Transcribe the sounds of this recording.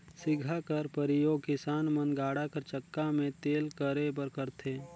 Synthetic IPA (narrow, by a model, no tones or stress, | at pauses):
sɪɡʱakɐɾpəɾɪjoːɡ̚kɪsaːnmənɡaːɽakəɾt͡ʃəkːamẽt̪eːlkəɾepəɾkəɾt̪ʰeː